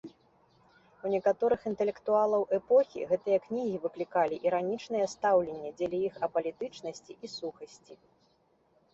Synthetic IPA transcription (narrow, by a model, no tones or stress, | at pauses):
unʲɛkat̪ɔɾɨxint̪ɛlʲɛkt̪ualˠɐwʔɛpɔxʲḭɣɛt̪ɨjɐknʲiɣʲivɨklʲikalʲiʔiɾanʲit͡ʂn̪ɨjɐst̪awlʲenʲːɛd͡zʲɛlʲijixɐpɐlʲit̪ɨt͡ʂnɐsʲt͡sʲiʔisuxɐsʲt͡sʲi